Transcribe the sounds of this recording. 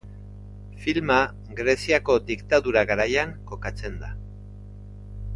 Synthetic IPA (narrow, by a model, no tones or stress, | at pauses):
filma | ɣɾe̞siako̞d̪ikt̪aðuɾaɣaɾajaŋko̞kat͡se̞nd̪a